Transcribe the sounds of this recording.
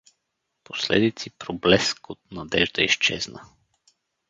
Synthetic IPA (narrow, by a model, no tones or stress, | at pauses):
poslɛ̰d̪it̪sipɾoblɛskot̪̚nɐd̪ɛʒd̪əiʃt͡ʃɛ̰znə